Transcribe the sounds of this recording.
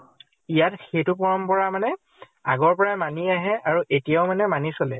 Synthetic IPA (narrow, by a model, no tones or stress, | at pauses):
ijatxejtʊp̬ɔɹɔmpɔɹamanɛ | aɡɔɹpɔɹajmaniaɦɛaɹuʔetijaʊmanɛmanisolɛ